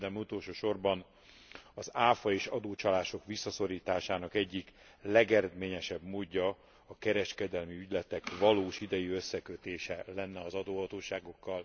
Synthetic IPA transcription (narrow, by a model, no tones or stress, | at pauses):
d̪ɛmut̪oːlʃoːʃo̞rbɒn | ɒzaːfɒeːʃɒd̪oːt͡ʃɒlaːʃo̞kʋisːɒso̞ɾiːt̪aːʃaːnɒkɛɟːik | lɛɡɛɾɛd̪meːɲɛʃɛbmoːɟːɒ | ɒkɛɾɛʃkɛd̪ɛlmiyɟlɛt̪ɛkvɒloːʃid̪ɛjiø̞sːɛkøt̪eːʃɛlɛnːɛɒzɒd̪oːɦɒt̪oːʃaːɡo̞kːɒl